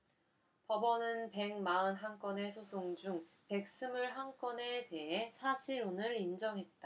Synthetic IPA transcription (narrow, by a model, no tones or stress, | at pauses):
pʌbʌnɯnpe̞ŋmaɯnɦank͈wʌne̞sʰosʰoŋd͡ʑuŋ | pe̞k̚s͈ɯmuɭɦank͈wʌne̞te̞ɦe̞sʰaɕʰiɾonɯɾind͡ʑʌŋɦe̞t̚t͈a